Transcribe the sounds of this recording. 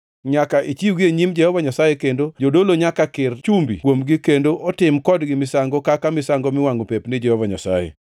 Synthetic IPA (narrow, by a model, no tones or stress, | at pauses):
ɲakaʔit͡ʃiwɡieɲimd͡ʒɛhɔvaɲasajekendod͡ʒodoloɲakakɪrt͡ʃumbḭkwomɡɪkendoʔɔtɪmkɔdɡɪmɪsaŋɡokakamɪsaŋɡomɪwaŋopepnɪd͡ʒɛhɔvaɲasa̰jḛ